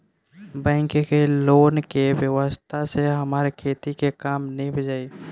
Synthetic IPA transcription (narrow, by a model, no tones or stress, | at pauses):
bə̃ɪ̃ŋkekeloːnkewjəwəst̪ʰaseɦəmaːɾekʰeːt̪ikekaːmnəĩbʱəd͡ʒaːi